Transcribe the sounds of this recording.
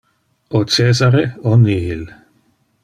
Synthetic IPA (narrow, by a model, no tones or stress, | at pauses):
ot͡seːzaɾeoniil